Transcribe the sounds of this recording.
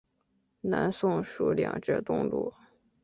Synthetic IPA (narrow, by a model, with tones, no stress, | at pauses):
na˧˥nsʊ˥ŋʂu˧˥ljɑ̰˨˩ŋʈ͡ʂ̩˥˧t̪ʊ˥˧ŋlṵ˥˩